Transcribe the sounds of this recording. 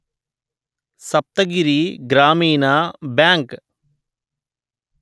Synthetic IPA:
səp̚t̪əɡɪɾiːɡɾaːmiːnaːbɛːŋk

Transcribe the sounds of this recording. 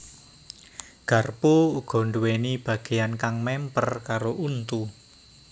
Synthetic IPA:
ɡ̥a̤rpuuɡ̥ɔ̤ɳɖuwenib̥ä̤ɡ̥e̤jankaŋmɛmpərkaɾoʔunt̪u

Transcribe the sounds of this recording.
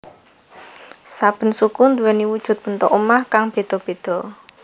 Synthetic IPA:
sab̥ə̤nsukund̪uwɛniwud̥ʒ̥ʊ̤t̪̚b̥ə̤nt̪ɔʔumahkaŋb̥e̤d̪̥ɔ̤b̥e̤d̪̥ɔ̤

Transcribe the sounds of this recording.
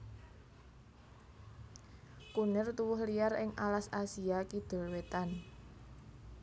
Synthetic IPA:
kunɪrt̪uwʊhlijarɪŋʔalasasiakid̪̥o̤lwet̪an

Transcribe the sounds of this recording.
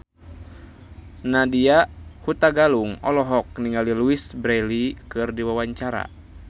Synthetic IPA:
nadiahut̪aɡaluŋɔlɔɦɔk̚niŋaliluisbɾɛlikɨrdiwawaɲt͡ʃaɾa̰

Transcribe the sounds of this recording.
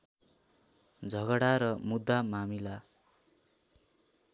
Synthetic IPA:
d͡zʱʌɡʌɽaɾʌmud̪ːamamila

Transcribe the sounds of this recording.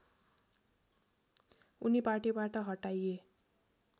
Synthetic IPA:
uniparʈibaʈʌɦʌʈaje

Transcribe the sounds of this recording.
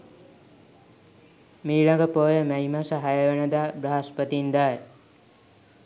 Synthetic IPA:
miːɭaŋɡəpoːjəmæɦimasəɦajəʋenəd̪aːbɾəɦaspət̪ind̪aːj

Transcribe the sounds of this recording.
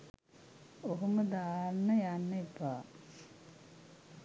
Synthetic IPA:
oɦuməd̪aːnːəjanːɐipaː

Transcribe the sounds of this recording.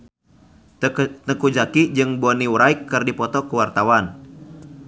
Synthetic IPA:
t̪əkud͡ʒakid͡ʒɨŋboniuɾaikːɨrdipɔt̪ɔkuwart̪awan

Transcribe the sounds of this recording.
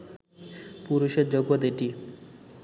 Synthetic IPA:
puɾuʃed̪d͡ʑoɡʋod̪eʈi

